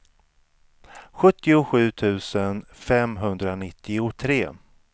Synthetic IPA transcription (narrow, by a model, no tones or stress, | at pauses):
ɧɵt̪ːɪʊɧʉ̟ːt̪ʰʉ̟ːsənfɛmɦɵnd̪ɾanɪt̪ːɪʊt̪ʰɾeː